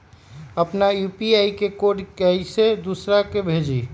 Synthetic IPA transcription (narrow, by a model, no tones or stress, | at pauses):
əpnajupiajkekoɖkəised̪usɾakebʱed͡ʒi